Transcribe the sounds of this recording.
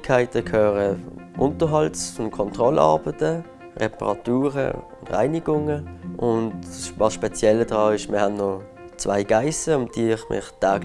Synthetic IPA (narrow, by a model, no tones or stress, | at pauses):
kʰaɪtəkʰøːʁəʔʊntəɦɑlt͡sʊnkʰɔntʁɔlɑ̰ːbətə | ʁɛ̰pə̰ʁɑ̰tuːʁə̰ʊndʁa̰ɪniɡʊŋəʔʊntvɑsʃpɛt͡sjɛlədʁɑːɪʃmʔɪ̰ɐhannɔ | t͡sva̰ɪɡ̥aɪsəʊnd̥iːɪχmɪ̰χtʰaːɡl